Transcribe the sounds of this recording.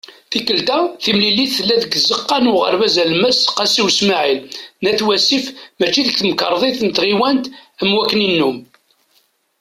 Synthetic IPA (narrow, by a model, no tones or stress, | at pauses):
θikːəlt̪æθimlilːiθθəlːæðəɡzəqːɑnʊʁə̰ɾvæzælmæsqːɑsiwsmaʕilnæθwæsifmæt͡ʃːiðəkθməkəɾˤðˤeθnət̪ʁiwænt̪əmwækːninːum